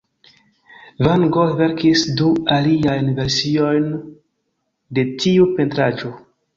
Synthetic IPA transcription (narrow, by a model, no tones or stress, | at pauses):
vaŋɡove̞ɾkisdualiajnve̞ɾsio̞jn | de̞tiupe̞ntɾad͡ʒo̞